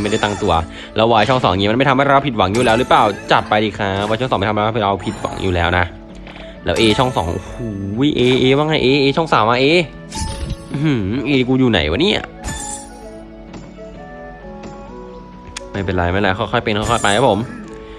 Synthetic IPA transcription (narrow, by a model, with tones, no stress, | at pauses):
ma˥˩jda˥˩t̪aː˧ŋt̪u˧ɐ | lɛː˧˦˥wːaː˧jt͡ɕʰɔ˥˩ŋsɔː˩˦ŋ˧ŋiː˦m˧nma˥˩jt̪ʰmha˥˩˧ɾa˧wpʰi˨˩t̪̚wa˩˦ŋjuː˨˩lɛː˦˥wɾɯ˦˥plaː˨˩wt͡ɕa˨˩pːa˧jdiː˧˩kʰaː˦˥waː˧t͡ɕʰŋsɔː˨˦ma˥˩t̪ʰːa˧˥˧ɾa˧wpʰi˨˩t̪̚wa̰˩˦ŋjuː˨˩lɛː˦˥wna˦˥ʔ | lɛː˦˥ʔeː˧t͡ɕʰɔ˥˩ŋsɔ̰ː˩˦ŋʔhuː˨˩˦jʔeː˧ʔeː˧waː˧˩ŋha˥˩ʔeː˧ʔeː˧t͡ɕʰɔ˥˩ŋsaː˨˩˦mːaː˧ʔeː˧ | ʔɯ˨˩ʔeː˧kuː˧juː˨˩na̰˨˩˦jwa̰ː˧˦niː˥˩a̰˨˩ | ma˥˩pe˧nlɾa˧jma˥˩la˧˩kʰxɔ˧˥˩jkʰxɔ˥˩jpe˧nkʰːjkʰɔ˥˩jpa˧jkʰaː˦˥pʰo˨˩˦m